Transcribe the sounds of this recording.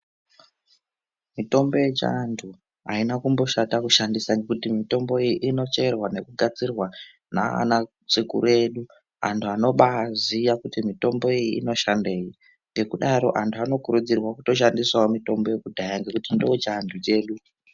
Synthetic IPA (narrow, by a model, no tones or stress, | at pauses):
mito̞mbo̞jet͡ʃa̰ndʰu | a̰inakumbo̞ʃatakuʃandisaŋɡe̞kutimito̞mbo̞ijiʔino̞t͡ʃe̞rwane̞kuɡʱat͡sirwa | na̰a̰na | t͡sikṵɾe̞ɗu | a̰ntʰuano̞ɓaːzijakutimito̞mbo̞ijiḭno̞ʃande̞ːji | ŋɡe̞kuɗaɾo̞̰ʔantʰuano̞kuɾud͡zirwakuto̞ʃandiswaomito̞mbo̞je̞kudʱajaŋɡe̞kutindot͡ʃandut͡ʃe̞ːɗu